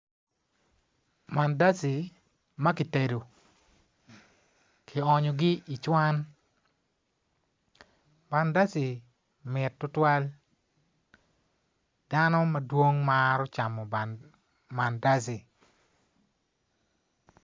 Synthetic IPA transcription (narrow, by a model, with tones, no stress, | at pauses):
ma˨nda˦si˨ | ma˦ki˨te˨do˨ | kʰi˨ɔ˨ɲɔ˨ɡi˦i˨t͡ʃwa˦n | ba˨nda˦si˨ | mɪ˨tːʊ˦twa˦l | d̥a˦nɔ˦ma˨dwo˦ŋmaɾɔ˦t͡ʃa˨mɔ˨ba˨n | ma˨nda˦s̬i˨